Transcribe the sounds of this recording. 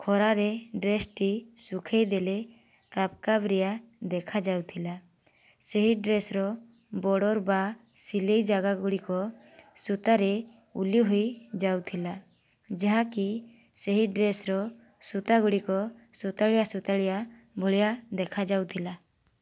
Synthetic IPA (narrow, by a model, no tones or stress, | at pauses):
kʰɔɾaɾɛɖɾesʈisukʰejd̪ɛlɛ | kap̚kabɾɛjad̪ɛkʰad͡ʒawt̪ʰila | seɦiɖɾesɾɔ | bɔɽɔɾbasilejd͡ʒaɡaɡuɽikɔ | sut̪aɾɛ | uliɦujd͡ʒawt̪ʰila | d͡ʒaɦãki | seɦiɖɾesɾɔ | sut̪aɡuɽikɔsut̪aɽɛjasut̪aɽɛja | bʱɔɭɛjad̪ɛkʰad͡ʒawt̪ʰila